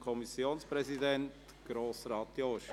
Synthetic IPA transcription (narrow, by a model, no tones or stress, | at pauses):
kʰɔmisjoːnspɾɛzidɛnt | ɡ̥ɾoːsɾɑːt̪joʃ